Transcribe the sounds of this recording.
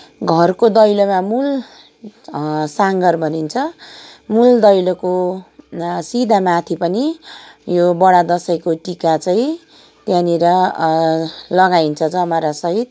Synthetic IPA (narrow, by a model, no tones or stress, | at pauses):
ɡʱʌrkod̪ʌjlomamul | saŋɡʌrbʱʌnint͡sʰʌmuld̪ʌjloko | sid̪ʱamat̪ʰipʌnijobʌɽad̪ʌsʌjkoʈikat͡sʌĩ | t̪janiɾʌ | lʌɡaint͡sʰʌd͡zʌmʌɾasʌɦit̪̚